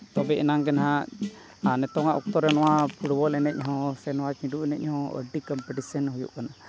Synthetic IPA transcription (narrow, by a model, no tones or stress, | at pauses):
t̪ɔbɛɛnaŋkɛnaɦa | anɛt̪ɔŋaʔṵk̚t̪ɔɾɛnɔwapʰuɽbɔlɛnɛc̚ˀɦɔ̃sɛnɔwat͡ʃĩɖuʔɛnɛc̚ˀhɔ̃ə̰ɖikɔmpɛʈisɔnɦujṵʔkana